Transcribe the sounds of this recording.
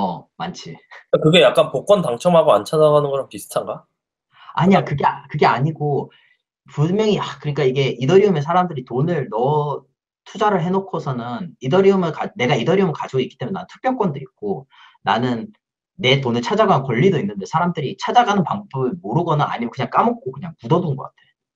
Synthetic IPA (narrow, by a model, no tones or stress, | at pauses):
ʌmant͡ɕʰikakɯɡe̞jak͈anpok͈ʌntaŋt͡ɕʰʌmɦaɡoant͡ɕʰadaɡanɯnɡʌɾampisʰɯ̥tʰaŋɡa | a̰ɲiakɯɡe̞akɯɡe̞aɲiɡo | pumjʌŋiakɯɯɲik͈aiɡe̞ʔidʌɾiɯmesʰaɾamdɯɾitonɯɭnʌ | tʰud͡ʑaɾɯɭɦe̞nokʰʌsʰʌnɯnidʌɾiɯmɯɭkane̞ɡaidʌɾiumɯɭkad͡ʑiɡoik͈i̥t͈emjnenanɯntʰɯ̥k̚p͈jʌɭk͈ʌndɯɾik̚k͈o | nanɯnː | e̞tonɯɭt͡ɕʰad͡ʑaɡanɯnkʌʎːidoinːɯnde̞sʰaɾamdɯɾit͡ɕʰad͡ʑaɡanɯnpaŋpʰobɯɭmoɾɯɡʌnaa̰ɲimjʌkɯɲaŋk͈amʌk̚k͈okɯɲaŋpudʌdunɡʌk͈atʰeo